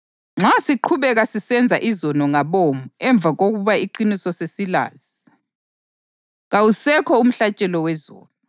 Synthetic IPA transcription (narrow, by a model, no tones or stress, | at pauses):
ŋ͡ǁasiǃʰuβɛɣasisɛnd͡zʱaʔizɔnɔŋaβomuɛɱb̪vʱaɣoɣuβaiǃinisɔsesila̰ːz̥i | ɣawusɛkʰɔum̩ɬat͡ʃʼɛlɔwɛzɔ̰ːnɔ